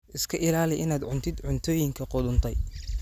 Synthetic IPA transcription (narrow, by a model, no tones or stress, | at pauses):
ʔɪskʰɐʔɪlaːlɪʔɪnaːd̪ʕʊnt̪ʰɪd̪ʕʊnt̪ʰɔːjɪŋkʰɐqʊd̪ʊnt̪ʰɛj